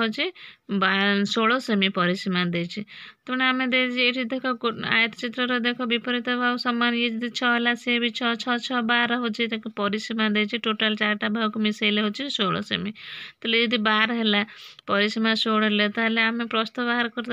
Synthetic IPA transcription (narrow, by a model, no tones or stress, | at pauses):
ɦot͡ʃʰibasoɭɔsemipɔɾisimad̪ejt͡ʃʰit̪ebnamẽd̪et͡ʃʰieʈʰid̪ʱɔkʰɔa̰jt̪t͡ʃit̪ɾɔɾɔd̪ekʰɔbipɔɾit̪ɔbʱausɔmːanjed͡ʒɔd̪it͡ʃʰɔɦelasebit͡ʃʰɔt͡ʃʰɔt͡ʃʰɔbaɾɔɦot͡ʃʰit̪ekpɔɾisimad̪et͡ʃʰiʈoʈalt͡ʃaɾʈabʱakumisejleɦot͡ʃʰisoɭɔ̰sḛmit̪ɔled͡ʒɔd̪ibaɾɔɦelapɔɾisimãsoɽɔlet̪aɦleamepɾɔst̪ɔbaɦaɾkɔɾt̪